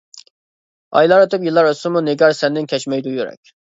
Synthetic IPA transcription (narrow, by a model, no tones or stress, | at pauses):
ɑ̰jlˠɑɾɯt̪ʰɯpjilˠːɑɾøsumuneɡʲɑɾsɛnd̪inkʲʰɛt͡ʃmɛjd̪ujuɾɛ̰k̚ʲ